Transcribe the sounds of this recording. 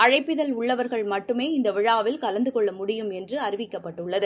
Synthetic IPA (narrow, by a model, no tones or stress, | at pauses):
ɐɻɐɪpːɪðɐlʊɭːɐʋɐɾɣɐɭmɐʈːɯmeːɪnd̪ɐʋɪɻaːʋɪlkɐlɐnd̪ɯkɔɭːɐmʊɽɪjɯmɛndrɯɐɾɪʋɪkːɐpːɐʈːɯɭːɐðɯ